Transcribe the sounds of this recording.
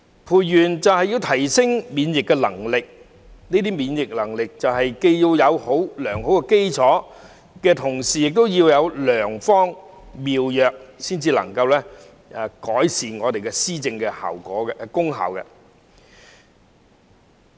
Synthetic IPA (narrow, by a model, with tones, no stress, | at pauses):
pʰuː˨˩jjyː˨˩nt͡sɐ˨whɐ˨jiː˧wt̪ʰɐ˨˩jsɪ˥ŋmiː˨˧njɪ˨kːɛ˧lɐ˨˩ŋlɪ˨k̚ | niː˥t̪iː˥miː˨˧njɪ˨k̚lɐ˨˩ŋlɪ˨k̚t͡sɐ˨wɦɐ˨jke˧jji˧wjɐ˨˧who˨˥wlœː˨˩ŋɦo˨˥wkɛ˧ke˥jt͡sʰɔː˨˥ | kɛː˧t̪ʰʊ˨˩ŋsiː˨jɪ˨k̚t̪o˥wjiː˧wjɐ˨˧wlœː˨˩ŋfɔː˥ŋ | miː˨wjœː˨k̚siː˥nt͡siː˧lɐ̰˨˩ŋkɐ˧wlɛː˥ | ɛ˧kɔː˨˥jsiː˨˩nŋɔː˨˧t̪e˨jkɛ˧siː˥t͡sɪ˧ŋkɛː˧ha̰ː˨˩wkɔ̰ː˨˥kɛkʊ˥ŋɦa̰ː˨˩wkɛ̰˧